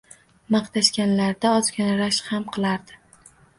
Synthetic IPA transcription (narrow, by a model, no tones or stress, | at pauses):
mɑqt̪ʰaʃkʲanlaɾd̪aɒzkʲɒnɾaʃhamqʰɨlˠaɾd̪ɪ